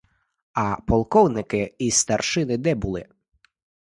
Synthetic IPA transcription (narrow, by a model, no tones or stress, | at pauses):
ɐpɔlˠkɔwnɪkɪist̪ɐrʃɪnɪd̪ɛbulˠɪ̰